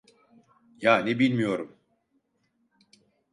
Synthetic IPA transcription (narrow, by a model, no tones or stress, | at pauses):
jaːnibilʲmijo̞ɾum